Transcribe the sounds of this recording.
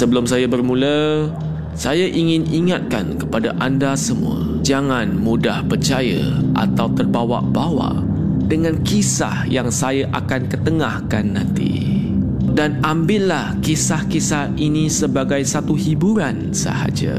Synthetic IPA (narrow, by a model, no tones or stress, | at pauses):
səbəlʊmsajabərmũlə | sajaʔiŋɪniŋat̪̚ka̰nkəpadaʔandasəmṵa̰d͡ʒaŋanmudahpərt͡ʃajə̰ʔa̰t̪awt̪ərbawa̰ʔbawa̰ʔ | dəŋãnkisa̰hjaŋsajaʔakankət̪əŋahkanːãnt̪ḭ | danambɪʔlahkisahkisahinisəbaɡajsat̪uhibuɾan | sə̰ha̰d͡ʒa̰